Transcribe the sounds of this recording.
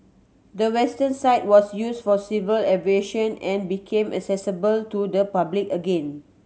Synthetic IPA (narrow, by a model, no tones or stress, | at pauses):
dəwɛstə̃nsaɪt̚wɔsjusfɔsivəlɛveʃə̃nɛ̃nbikʰẽmʔɛ̰ksɛsəbəltudəpablikəɡẽn